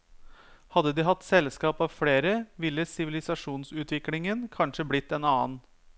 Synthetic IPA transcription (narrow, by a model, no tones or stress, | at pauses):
hɑd̪ːəd̪iːɦɑt̪ːsɛlskɑːpɑʋfleːɾəʋɪlːəsɪʋɪlɪsɑʂuːnsʉːt̪ʋɪklɪŋənkʰɑnʂəblɪt̪ːɛnɑːn